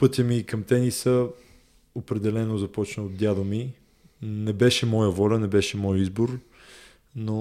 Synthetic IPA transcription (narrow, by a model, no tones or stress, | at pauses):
pɤt̪ʲəmikɐmt̪ɛnisə | opɾɛd̪ɛlɛnozɐpɔt͡ʃnəod̪̚d̪ʲjad̪omi | nɛbɛʃɛmɔjəvɔlʲənɛbɛʃɛmɔjizboɾ | no